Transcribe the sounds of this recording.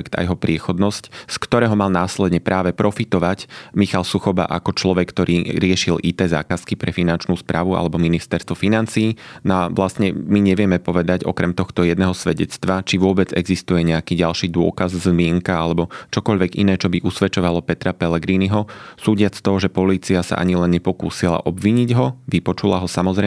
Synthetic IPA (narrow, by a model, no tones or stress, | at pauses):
ɛkt̪a̰jɛɦɔpɾɪɛxɔd̪nɔscskt̪ɔɾɛːɦɔmalˠnaːslɛd̪ɲɛpɾʔaːʋɛpɾɔfit̪ɔʋacmixalsuxɔba̰ʔa̰kɔt͡ʃlɔʋɛkːt̪ɔɾʔiːɾɪɛʃilʔit̪ɛːza̰ːkaskipɾɛfinant͡ʃnuːspɾaːʋua̰lɛbɔminist̪ɛɾst̪ʋɔfinant͡siːnaʋlasɲɛmiɲɛʋɪɛmɛpɔʋɛd̪aɟɔ̰kɾɛmt̪ɔxt̪ɔjɛd̪nɛːɦɔsʋɛɟɛt͡st̪ʋat͡ʃiʋʊɔbɛd͡zɛɡzist̪ujɛɲɛakiːɟalʃiːd̪ʊɔ̰kazzmɪɛŋkaalɛbɔt͡ʃɔkɔʎʋɛɡḭnɛːt͡ʃɔbiʔusʋɛt͡ʃɔʋalɔpɛt̪ɾapɛlɛɡɾiːniɦɔsuːɟɪat͡st̪ɔɦɔʒɛpɔliːt͡siasa̰ʔa̰ɲilɛnɲɛpɔkuːsila̰ʔɔbʋiɲiɟɦɔʋipɔt͡ʃulaɦɔsamɔzɾɛ